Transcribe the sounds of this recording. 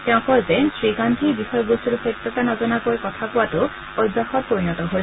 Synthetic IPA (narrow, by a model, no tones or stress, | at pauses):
teʊ̃kɔzesɹiɡand̪ʱibixɔjɔɡosiɾusejt̪ːɔkanɔzɔnakoekɔt̪ʰapuwatu | ojd̪ːaxɔɾpoɾinɔtɔɦo